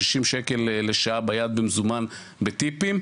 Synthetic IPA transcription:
iʃimʃeke̞lːeʃaabajad̪̚bemzuman | bet̪ipim

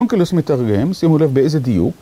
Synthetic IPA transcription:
oŋklosmet̪aʁɡemsimulevbeʔejzed̪ijṵk

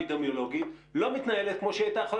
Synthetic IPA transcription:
id̪amjolo̞ɡit̪lo̞mit̪najelet̪̚kmo̞ʃeat̪aχo

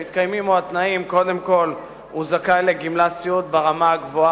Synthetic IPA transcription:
it̪kajmimoat̪naimko̞d̪e̞mko̞l | uzakajle̞ɡimlat͡siut̪̚beʁamaaɡvoa

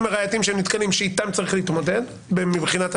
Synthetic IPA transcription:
meʁajatimʃeemnit̪kalimʃeit̪amt͡saʁiχleiit̪mo̞ded | bemibχinat̪

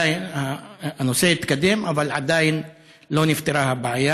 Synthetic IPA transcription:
nhaanosejit̪kad̪emʔavalʕad̪ajn | lonɪft̪eɾahabaʕaja

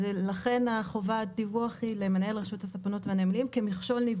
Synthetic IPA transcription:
laχe̞naχo̞vadivuaχilemenaelʁaʃuthasapono̞tveanemlimkemiχʃo̞lniv

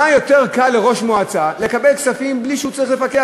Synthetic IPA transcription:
ajo̞t̪eʁkalːeʁo̞ʃmoat͡sale̞kabelksafimbliʃɛut͡saʁiχle̞fake

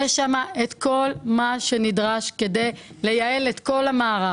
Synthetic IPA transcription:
eʃamaʔet̪ko̞lmaʃe̞nidʁaʃke̞de̞j | le̞jae̞let̪ko̞lhamaːʁa

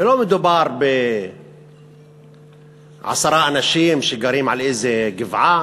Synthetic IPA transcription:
lomɪd̪ubɑɾˤbɪ | ʕa̰sɑɾˤɑːʔnaʃiːmʃeɡaɾiːmʕalʔɪzeɡɪvʕa

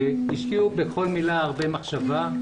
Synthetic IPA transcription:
iʃkiubexo̞lmilaːʁbemaχʃava

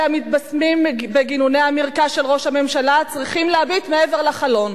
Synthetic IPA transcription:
amit̪basmimbeɡinunejamiʁkaʃelʁo̞ʃhame̞mʃalat͡sʁiχimleabit̪meeveʁlaχalo̞n

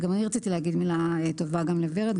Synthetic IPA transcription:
ɡamaniʁat͡sit̪ilehaɡid̪milaet̪ovaɡamleveʁet̪

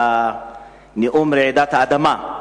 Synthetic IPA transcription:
a | niʔumɾedataadama

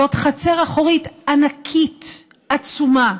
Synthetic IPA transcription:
ot̪χat͡seʁaχoʁitanakʰit | at͡suma

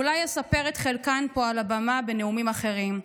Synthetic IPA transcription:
ulajasape̞ʁetχelkanpo̞alabamabe̞ne̞umimaχe̞ʁim

